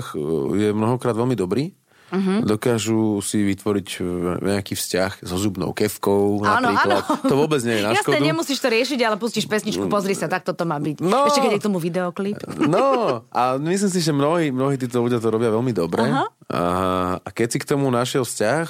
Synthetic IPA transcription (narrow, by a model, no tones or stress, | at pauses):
xjɛmnɔɦɔkɾaːd̪ʋɛlmid̪ɔbɾiː | ɦd̪ɔkaʒusiʋit̪ʋɔɾicɲɛakiːfscaxzɔzubnɔ̰ʊkɛfkɔʊnanɔaat̪ɔʋɔbɛd͡zɲɛjɛnajaskɔɛd̪ɲɛmusiːʃt̪ɔɾɪɛʃiɟalɛpusciʃpɛsɲit͡ʃkupɔzɾisat̪ak̚t̪ɔt̪ɔmaːbicnɔɛʃɛkɛɛk̚t̪ɔmuvid̪ɛɔklipnɔʔamis̬lims̬iʒɛmnɔɦiːmnɔɦiːt̪iːt̪ɔluɟɪat̪ɔɾɔbɪaʋɛlmid̪ɔbɾɛɦa | aa̰kɛcsikt̪ɔmunaʃɪɛlfscax